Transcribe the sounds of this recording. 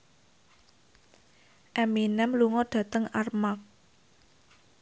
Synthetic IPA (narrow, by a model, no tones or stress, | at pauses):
ʔɛminɛmluŋɔɖ̥ä̤t̪əŋarmak̚